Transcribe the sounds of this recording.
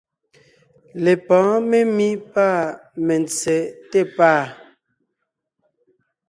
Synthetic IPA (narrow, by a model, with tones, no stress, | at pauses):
le˨pɔ̃˨˦me˦mi˦paː˦˨mɛ˨nt͡sɛ˨˦te˦˨paː˦˨